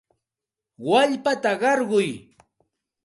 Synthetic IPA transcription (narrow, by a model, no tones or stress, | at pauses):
waʎpat̪aɢɑɾɢʊj